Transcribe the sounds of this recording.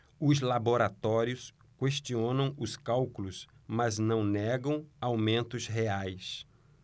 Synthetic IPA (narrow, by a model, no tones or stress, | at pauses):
ʊzlaboɾat̪ɔɾiʊs | kweʃt͡ʃiõnɐ̃w̃ʊskawkulʊsmɐznɐ̃w̃nɛɡɐ̃w̃awmẽnt̪ʊsɦeajs